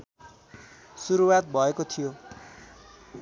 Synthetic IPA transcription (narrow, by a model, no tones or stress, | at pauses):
suɾuwat̪̚bʱʌekot̪ʰijo